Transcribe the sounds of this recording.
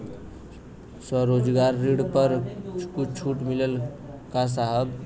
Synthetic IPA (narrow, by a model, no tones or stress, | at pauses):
swəɾod͡ʒɡaɾːiɽpəɾkut͡ʃʰuʈmilel | kas̬aɦəɡ